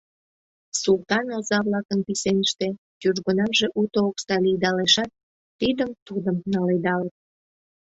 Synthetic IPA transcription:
sult̪ɑnɑlzɑβlɑkənpisenəʃt̪e | kyʒɣonɑmʒeʔut̪ookst̪ɑlid̪ɑleʃɑt̪̚ː | id̪əmt̪ud̪əmnɑled̪ɑlət̪̚

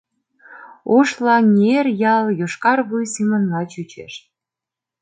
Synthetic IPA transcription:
oʃlɑnʲerjɑljoʃkɑrβujsimənlɑt͡ɕyt͡ɕḛʃt̪̚

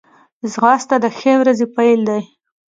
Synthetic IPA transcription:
zɣɑst̪ad̪əxewɾazepajld̪aj

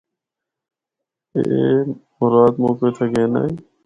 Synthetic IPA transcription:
ḛmʊɾaːd̪moːket̪ʰeɡeːna̰ːi

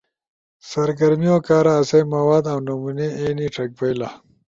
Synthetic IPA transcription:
sɐɾɡɐɾmijokaːɾaːsɐjmɐwaːd̪awnumuneeniʈʰɐk̚bɐjla

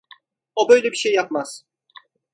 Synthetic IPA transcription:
obøjlʲebiʃejːɑp̚mɑs

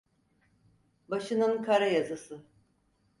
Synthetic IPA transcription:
baʃɯnɯnkʰaɾajazɯsɯ

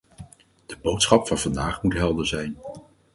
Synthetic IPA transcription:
d̥əbowtsχɑpfɑnv̥ɑndaːχmutɦɛlˠdənzɛjn

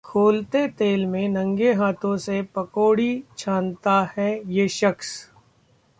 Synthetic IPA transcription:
kʰoːlt̪et̪eːlmẽnɐ̃ŋɡeɦaːt̪ʰõsepɐkoːɽit͡ʃʰãːnt̪ahɛjeːʃəks

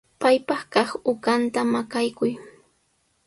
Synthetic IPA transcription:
pajpɑχkɑχʊkant̪amakajkʊj

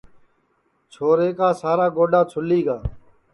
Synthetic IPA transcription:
t͡ʃʰoːɾeːkaːsaːɾaːɡoːɖaːt͡ʃʰʊliːɡaː

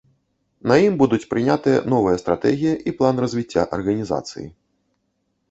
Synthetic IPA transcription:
nɐjimbud̪ut͡sʲpɾɨnʲat̪ɨjɐ̰nɔvɨjɐst̪ɾat̪ɛɣʲijɐʔiplˠanrɐzʲvʲit͡sʲːa̰ʔɐrɣɐnʲiza̰t̪sɨ̰jḭ

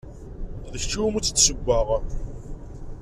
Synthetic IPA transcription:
ðəçt͡ʃːimut͡sːət͡sːsəɡʷːəʁ

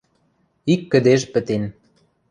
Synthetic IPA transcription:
ikːə̆d̪eʒpə̆t̪en

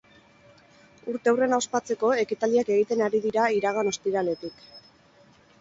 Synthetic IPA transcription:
uɾt̪ewre̞naospat͡seko̞e̞kit̪ald̪iake̞ɣ̞it̪e̞naɾiðiɾaiɾaɣ̞ano̞st̪iɾale̞t̪ik

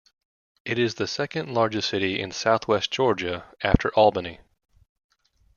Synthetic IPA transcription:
ɨɾɪzðɨsɛkɨ̃nˡlɑɹd͡ʒɨsɪɾiɪ̰̃nsaʊθwɛsd̥ʒ̥ɔɹd͡ʒɨæftʰə˞ʔælˠbəni

